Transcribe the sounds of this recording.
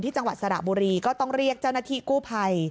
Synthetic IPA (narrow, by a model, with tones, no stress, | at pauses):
nt̪ʰiː˥˩t͡ɕa˧ŋwa˨˩t̪̚sa˧ɾa̰˨˩buː˧ɾiː˧kɔː˥˩t̪ɔ˥˩ŋɾi˥˩ək̚t͡ɕa˥˩wnaː˧˩t̪ʰiː˥˩kuː˥˩pʰa˧j